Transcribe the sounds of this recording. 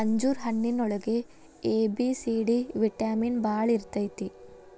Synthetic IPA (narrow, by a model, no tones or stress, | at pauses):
ɐɲd͡ʒuːɾɦɐnːinɔɭɐɡe | eːbisiɽiʋiʈːaːminbaːɭiɾt̪ːɐjt̪ːi